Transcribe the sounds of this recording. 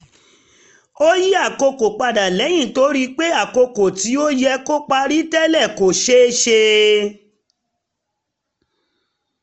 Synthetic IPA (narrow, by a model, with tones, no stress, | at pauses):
o˦ji˦a˦˨ko˧ko˨k͡pa˧da˨lɛ˨˦j̃ĩ˦˨to˨˦ɾi˦k͡pe˦a˦˨ko˧ko˨ti˨˦o˦jɛ˧ko˦k͡pa˧ɾi˦tɛ˦lɛ˦˨ko˨ʃe˦ʃe˧